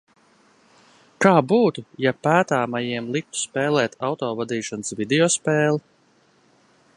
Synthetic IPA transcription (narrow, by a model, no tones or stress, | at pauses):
kaːbuːt̪ujapæːt̪aːmajiɛmlˠik̚t̪u̥spɛːlˠɛːt̪ʰawt̪ɔːvad̪iːʃɔnsvid̪eɔspɛːlˠi